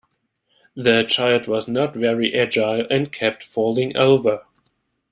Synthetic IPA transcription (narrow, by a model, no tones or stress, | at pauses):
ðɨt͡ʃʰaɪlˠd̚wʌznətvɛɹiʔɛd͡ʒaɪlˠɨ̃nkʰɛp̚tfɔlˠɪ̃ŋʔo̰ʊvə˞